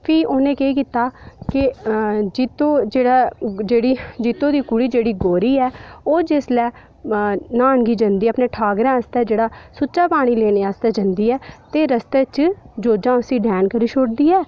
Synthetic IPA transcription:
pʰiːʔoːnẽːkeːkiːt̪aːkɪd͡ʒɪt̪õːd͡ʒeːɽaːd͡ʒeːɽiːd͡ʒɪt̪õːd̪iːkʊɽiːd͡ʒeːɽiːɡoːɾiːɛːoːd͡ʒɪslɛː | naːnɡiːd͡ʒənd̪iːɛːəpneːʈʰaːɡɾãːəst̪ɛːd͡ʒeːɽaːsʊtːt͡ʃaːpaːɽ̃iːleːneːəst̪ɛːd͡ʒənd̪iːɛːt̪eːɾəst̪eːt͡ʃd͡ʒoːd͡ʒãːʊsĩːɖʱɛːnkəɾiːʃoːɽd̪iːɛː

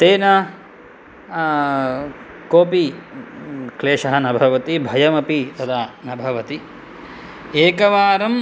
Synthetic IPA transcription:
t̪eːnɐ | koːpi | kleːʂɐɦɐnɐbʱɐʋɐt̪ibʱɐjɐmɐpit̪ɐd̪aːnɐbʱɐʋɐt̪i | eːkɐʋaːɾɐm

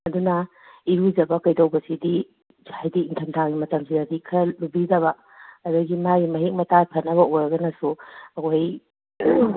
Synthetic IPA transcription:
ɐdunɐ | iɾud͡ʒɐbɐkɐjdɐwbɐsidi | d͡ʒajdiːntʰɐmtʰaŋɡimɐtɐmsidɐdikʰɐlubidɐβɐː | duɡimajmɐɦek̚mɐtatʰɐnːɐβɐojɾɐɡɐnɐsuɐkʰoj

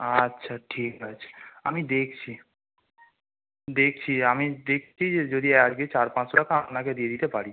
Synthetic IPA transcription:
atːɕʰaʈʰikat͡ɕʰe̥a̰mid̪ek̚ʰt͡ɕʰi | d̪ek̚ʰt͡ɕʰiamid̪ekʰt͡ɕʰid͡ʑed͡ʑod̪iad͡ʑɡet͡ɕaɾpãt͡ɕakaamnaked̪ied̪it̪epaɽi

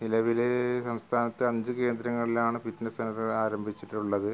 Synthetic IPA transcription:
nilɐʋilesɐmst̪ʰaːnɐt̪ːɨɐɲd͡ʑɨke̞ːnd̪ɾɐŋːɐɭilaːɳɨpitnɐsɐnɐɾɐɭaːɾɐmbʱit͡ɕːiʈːuɭːɐðɨ

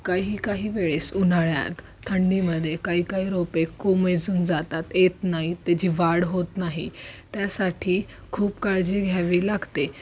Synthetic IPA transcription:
kaiɦiːkaɦiːʋeɭesun̤aɭja̰t̪ʰːəɳɖiməd̪ʱːjekaɦiːkaɦiːɾopekːomed͡zuːnd͡zat̪at̪et̪naɦit̪ad͡ʑiːʋaɽɦot̪naɦḭt̪jasaʈʰiː | kʰuːpkaɭd͡ʑiɡʱjaʋiːlaɡt̪e

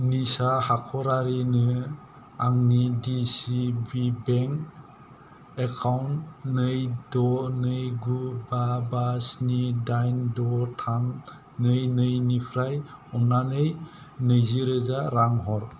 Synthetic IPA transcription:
nisahakʰɔɾaɾinɯ | aŋnidisibibeŋk | ekʰawntnɯjdɔnɯjɡubabasnidajndɔtʰaŋ | nɯjnɯjnipʰɾajɔnanɯj | nɯjziɾɯzaɾaŋɦɔɾ

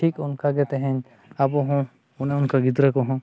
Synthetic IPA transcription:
ʈʰikunkaɡɛt̪ɛɦɛ̃ɲ | abɔɦɔ̃ | unɛʊnkaɡit̪ɾakɔɦɔ̃

